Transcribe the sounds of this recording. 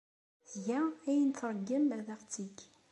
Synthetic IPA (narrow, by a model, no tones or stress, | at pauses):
θʝææjənθɾˤəɡːəmæðæʁt͡sːiɡ